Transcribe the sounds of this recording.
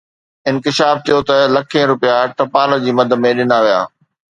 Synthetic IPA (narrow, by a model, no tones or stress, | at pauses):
ɪ̃nkɪʃaːf̚t̪ʰijot̪ɐlɐkʰẽɾʊpijaʈɐpaːlə̆d͡ʑiːmɐd̪ʱəmẽɗɪnaʋija̰ː